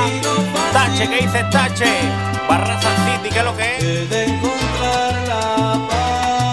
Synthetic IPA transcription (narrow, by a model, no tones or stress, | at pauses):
t̪at͡ʃekejθet̪at͡ʃe | barasalsid̪ikeloke